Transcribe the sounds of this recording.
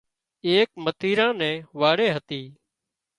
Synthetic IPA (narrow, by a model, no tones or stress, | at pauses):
eːk̚mət̪iːɾãːnɛ̃ːʋaːɽeːɦət̪iː